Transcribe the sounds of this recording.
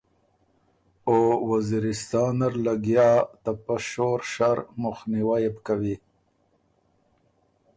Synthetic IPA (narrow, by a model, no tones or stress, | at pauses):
owaziɾɪst̪ɑːnaɾlaɡjɑt̪apaʃoɾʃaɾmʊxniwajepkawi